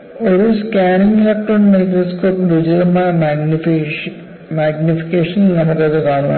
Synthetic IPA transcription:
oɾuskaːniŋɡlɐkʈːruɳmɐjkɾoːskoːpdid͡ʑɐðɐmaːmɡi | maːɡnifi̥kʲeːʂɐnnɐmukːɐðɨkaːɳuma̰

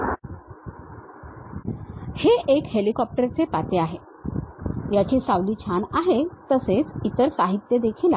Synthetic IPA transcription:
heʔekhelikɔp̚ʈəɾt͡sepat̪eaɦe | jat͡ɕiːsaʋliːt͡ɕʰanaɦet̪əset͡sit̪əɾsaɦit̪jəd̪ekʰiːla

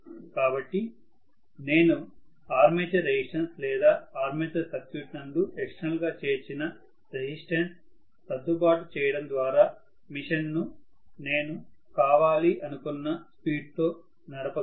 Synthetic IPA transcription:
kaːbɐʈːi | ne̞ːnu | aːɾmet͡ʃɐɾed͡ʑisʈɐnslɛːd̪aːaːɾmet̪ɐsɐkjuːʈnɐɳɖuʔɛkʂnɐlɡaːt͡ʃe̞ːɾt͡ʃinɐ | ɾed͡ʑisʈɐɳʈs | t̪ɐd̪ːubaːʈut͡ʃɛːjɐɽɐnd̪ʋaːɾaː | miʂɐnnu | neːnukaːʋaːliʔɐnukunːɐspiːɖ̚t̪o̞ː | nɐɾɐpɐ

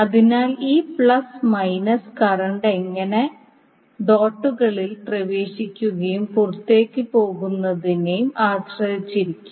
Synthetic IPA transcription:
ɐðinaːliːpɭɐsmɐjnɐskɐrɐɳɖeŋːɐne̞ | d̪o̞ːʈːuɣɐɭilprɐʋe̞ːɕikʲːuɣɐjumkurut̪ːe̞ːkːɨpo̞ːɣunːɐðinejumaːɕrɐjit͡ɕːiɾikʲːum

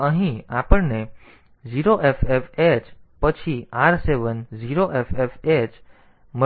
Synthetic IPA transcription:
əɦĩapəɳne | d͡ʒiɾoʔefefet͡ʃpət͡ʃʰiaɾseʋənziɾoʔefefet͡ʃ | mə

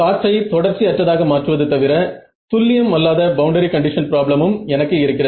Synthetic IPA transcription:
kaːʈrɐɪt̪ɔɽɐɾt͡ʃːiɐʈrɐðaːɣɐmaːʈrɯʋɐðɯt̪ɐʋɪɾɐ | t̪ʊlːɪjɐmɐlːaːðɐbɐʊɳɖɐɾikɐɳɖɪʂɐnpɪɾaːblɐmɯmɛnɐkːɯɪɾɯkːɪrɐ

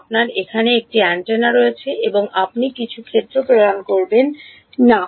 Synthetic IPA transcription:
p̚naɾekʰaneek̚ʈiaɳʈenaɾojet͡ɕʰeʔeboŋapnikit͡ɕʰukʰed̪ːɾopɾod̪ankoɾbenː | a

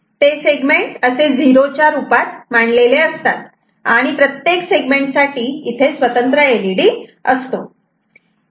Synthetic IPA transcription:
t̪eseɡmeɳʈəsed͡ziɾot͡ɕjaɾupat̪maɳleleəst̪at̪̚ | aɽ̃ipɾət̪jekseɡmeɳʈsaʈiːt̪ʰesʋət̪ənt̪ɾəeliɽiːəst̪o

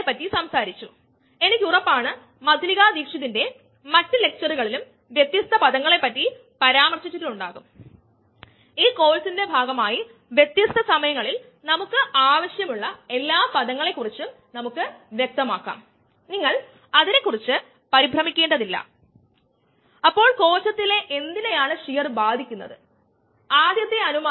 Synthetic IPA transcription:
epːɐtːisɐmsaːɾit͡ɕːu | e̞nikʲːurɐpːaːɳɨ | mɐd̪ʱliɣaːd̪iːkʂiðinde̞ | mɐtːɨle̞k̚t͡ɕɐruɣɐɭilum | ʋjet̪ːjɐst̪ʰɐpɐðɐŋːɐɭe̞pːɐtːi | pɐɾaːmɐrɕit͡ɕːɐðiluɳɖaːɣum | iːko̞ːlsinde̞bʱaːɡɐmaːji | ʋje̞t̪jɐst̪ʰːɐsɐmɐjɐŋːɐɭil | nɐmukːɨʔaːʋɐɕjɐmuɭːɐe̞lːaːpɐðɐŋːɐɭe̞kːurit͡ɕːu | nɐmukːɨʋjek̚t̪ɐmaːkːa̰ːm | niŋːɐɭ | ɐðine̞kːurit͡ɕːɨ | pɐɾibʱrɐmikʲːe̞ːɳɖɐðilːɐ̰ | ɐpːo̞ːɭko̞ːlɕɐt̪ːile̞ʔe̞nd̪ine̞jaːɳɨʂijɐrbaːd̪ʱikʲːunːɐ̰ðɨ̰ | aːd̪ʱjɐt̪ːe̞ɐnuma

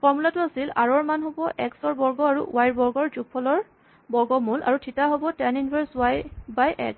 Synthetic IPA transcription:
fɔɹmulatuasilaɹɔɹmanɦɔbɔʔɛksɔɹbɔɹɡɔaɹṵwajɹbɔɹɡɔɹzuɡ̚pʰɔlɔɹ | bɔɹɡɔmula̰ɹutʰitaɦobɔtɛninbʰʱɛɹswajbajʔɛ̰ks

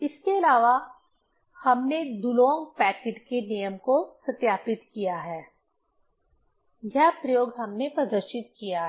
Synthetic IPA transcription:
ɪskeɐlaːʋa | hɐmned̪ulõːŋɡpɛːkɪʈkenijəmkosɐt̪jaːpɪt̪kijaɦɛː | jɛɦpɾɐjoːɡɦɐmnepɾɐd̪əɾʃɪt̪̚kijaɦ

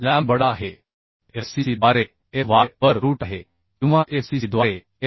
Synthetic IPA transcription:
laːmbəɽaɦe | esisid̪aɾe | eʋaːəɾɾuːʈaɦe | jũʋãʔefsiid̪ʋaːɾe

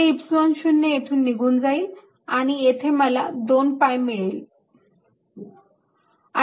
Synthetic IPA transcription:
ipsonɕunːəet̪ʰuːnːiɡuːnd͡zaiːl | aɽ̃iet̪ʰeməlad̪onpajmiɭiːl | a

